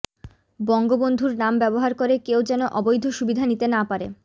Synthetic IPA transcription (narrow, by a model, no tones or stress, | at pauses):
bɔŋɡobond̪ʱuɾnambɛboɦaɾkoɾekewd͡ʑɛnoʔɔbojd̪ʱoʃubid̪ʱanit̪enapaɾḛ